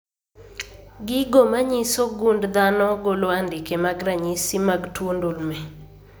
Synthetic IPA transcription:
ɡɪɡomaɲisoɡundd̪anɔɡoloandɪkemaɡɾaɲisimaɡtwondulmɛ

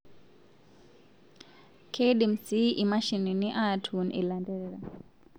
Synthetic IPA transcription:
kʰeɗim̩siʔimaʃininiʔatʰunʔḭlandɛɺɛɾa

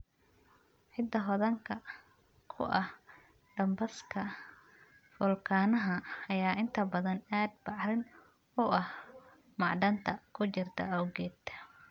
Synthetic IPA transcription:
ħɪd̪ːɐɦɔðɐŋkʰɐ | kʰʊ̰ʔɐh | ɖɐmbɐskʰɐ | fʊlkʰaːnɐɦɐːjaːʔɪnt̪ʰɐbɐðɐnaːd̪̚bɑʕɾɪn | ʊɐh | mɑʕɖɐnt̪ʰɐkʰʊt͡ʃɪrt̪ʰɐ̰ɔwɡɛːt̪ʰː

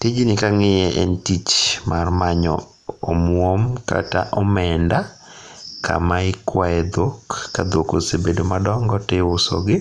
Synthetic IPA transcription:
tɪd͡ʒnɪkaŋɪjɛʔɛ̰ntit͡ʃmarmaɲɔ̰ | omwomka̰ta̰ʔɔmɛnda | kʰa̰maɪkwaɛd̪okːad̪okosebedomadɔŋɡɔtɪʊsɔ̰ɡɪ

